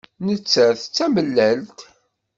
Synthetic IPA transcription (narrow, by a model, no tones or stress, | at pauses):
nət͡sːæθt͡sːæməlːælt̪